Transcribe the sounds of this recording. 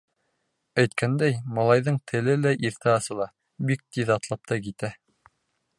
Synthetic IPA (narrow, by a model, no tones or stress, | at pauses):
æjt̪̚kænd̪æjmɑlˠɑjðɤɴt̪ʰɘ̆lɘlæʔiɾt̪æɑsɤ̆lˠɑ | bik̚t̪iðɑt̪lˠɑp̚t̪ɑkit̪æ